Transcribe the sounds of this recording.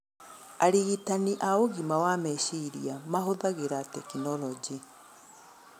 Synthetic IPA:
aɾiɣitaniʔaoɣimawamɛʃiɾiamaɦoðaɣeɾatɛkinɔlɔd͡ʒi

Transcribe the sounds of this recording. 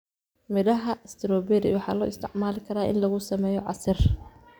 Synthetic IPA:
mɪðɐɦɐst̪ʰɪɾɔːbɛdɪ̰wɑħɑ̰ːlɔ̰ːɪst̪ʰɪʕmaːlɪkʰɐɾaːʔɪ̰nlɐɣʊsɐmɛːjɔʕɑsɪr

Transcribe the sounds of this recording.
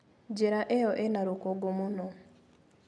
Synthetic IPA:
d͡ʒeɾaʔejɔʔenaɾukoɡomuno

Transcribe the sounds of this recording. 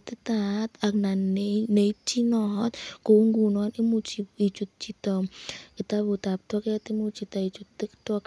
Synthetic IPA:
t̪it̪at̪ak̚naneneit͡ʃinɔɦɔt̪̚kouŋɡunɔnimut͡ʃiit͡ʃut̪̚t͡ʃit̪ɔkit̪abut̪ap̚t̪wɔkjat̪imut͡ʃit̪ait͡ʃut̪ːikt̪ɔk

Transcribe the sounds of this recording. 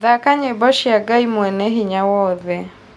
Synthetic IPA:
ðakaɲebɔʃiaɡaimwɛnɛɦiɲawɔðɛ

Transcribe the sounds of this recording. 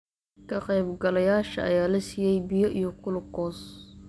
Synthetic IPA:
kʰɐqɛjbɡɐlɐjaːʃɐʔɐ̰jaːlɐsiːjɛjbɪjɔʔijɔkʰʊlʊɡɔːs

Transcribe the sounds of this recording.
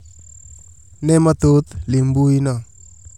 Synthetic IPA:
nemat̪ot̪limbujna

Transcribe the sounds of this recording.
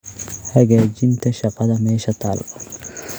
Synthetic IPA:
hɐɡeːd͡ʒɪnt̪ɛʃɐqʼɐd̪ɐmeːʃɐt̪aːlɐ̥

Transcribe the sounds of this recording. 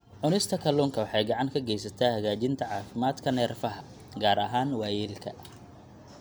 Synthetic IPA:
ʕʊnɪst̪ʰɐkʰɐluːŋkʰɐwɑħɑjɡɑʕɑŋkʰɐɡɛjsɐt̪ʰaːhɐɣaːt͡ʃɪnt̪ʰɐʕɑːfɪmaːd̪kʰɐnɛːrfɐɦɐ | ɡaːɾɐɦaːnwæːjɛːlkʰɐ

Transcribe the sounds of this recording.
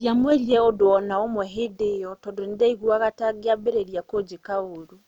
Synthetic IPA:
jamweɾiɾɛɔdoɔnaomwɛɦedejɔtɔdonidaiɣwaɣataɡeabeɾeɾjakod͡ʒekaoɾu

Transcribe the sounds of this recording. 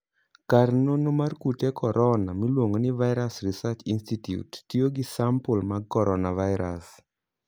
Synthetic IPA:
karnonomarkutekʰɔɾʔɔnamilwoŋonɪvaɪɾasrisat͡ʃinstitjṵtːjoɡɪsampɔlmakɔɾɔnavaɪɾa̰s

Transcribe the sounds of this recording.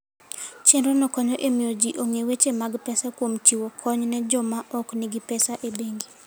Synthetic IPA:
t͡ʃenɾonɔkɔɲɔʔemiod͡ʒiʔoŋewet͡ʃemaɡpɛsakwomt͡ʃiwokʰɔɲnɛd͡ʒɔmaʔɔknɪɡɪpɛsaʔebeŋɡi

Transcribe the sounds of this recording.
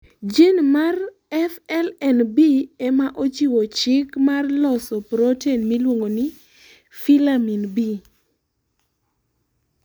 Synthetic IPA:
d͡ʒenmar | ɛfɛlɛnbiɛmaʔot͡ʃiwot͡ʃɪkmarlɔsɔpɾotenmilwoŋonɪ | filaminbi

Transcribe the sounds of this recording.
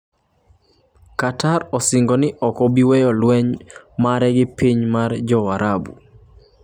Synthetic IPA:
kataɾɔsɪŋɡɔnɪʔɔkɔbiwɛjɔlwɛɲmaɾɛɡɪpiɲmard͡ʒɔwaɾʔabu

